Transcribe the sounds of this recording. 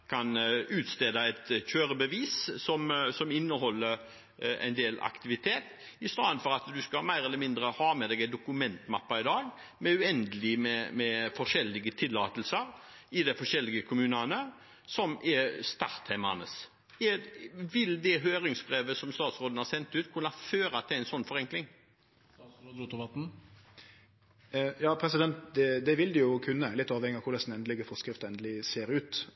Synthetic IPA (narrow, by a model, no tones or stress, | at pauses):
kʰɑnʉːt̪st̪eːd̪ɑɛt̪çøːɾəbəʋiːssɔmsɔmɪnːəhɔlːəɾ | æ̰ɪnd̪eːlɑ̰kt̪ɪʋɪt̪ʰeːt̪ | ɪst̪ɑːd̪ənfɔɾɑt̪d̪ʉskɑlmæɪɾɛlːəmɪnd̪ɾəhɑːmɛd̪ɛːɡɛɪd̪ʊkʉmɛnt̪mɑpːɑɪd̪ɑːɡ | mɛʉɛnd̪əlɪmɛmɛfɔʂɛlːɪɡət̪ʰɪlːɑːt̪əlsəɾɪd̪æɪfɔʂɛlːɪɡəkʰʊmʉːnɑnə | sɔmʔɛst̪ɑʁt̪hɛɪmɑ̰nə̰s | ɛʋɪld̪ɛɦøːɾɪŋsbɾeːʋəsɔmst̪ɑːt̪sɾoːd̪n̩hɑɾsɛnt̪ʉːt̪kʰʉnːɑføːɾɑt̪ʰɪlæɪnsɔnːfɔɾɛŋklɪŋ | d̪t̪ʋɑt̪n̩ | jɑːpʰɾɛsɪd̪ɛnt̪d̪ɛd̪ɛʋɪld̪ɪjʊkʰʉnːəlɪt̪ːɑːʋhɛŋɪəɑkʰʊlɛsd̪nɛnd̪lɪɡəfɔskɾɪft̪əɛnd̪əlɪseːɾʉːt̪